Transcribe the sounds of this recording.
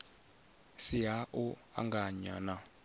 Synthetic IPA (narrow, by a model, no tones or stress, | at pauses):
siɦaʔua̰ŋɡaɲa̰na